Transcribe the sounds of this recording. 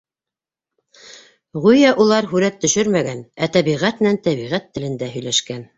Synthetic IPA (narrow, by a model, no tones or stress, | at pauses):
ʁujæʔulˠɑɾɦʉɾæt̪ːɵ̆ʃɵɾmæɡænæt̪æβiʁæt̪nænt̪æβiʁæt̪ːɘ̆lɘ̆nd̪æɦɵ̆jlæʃkæn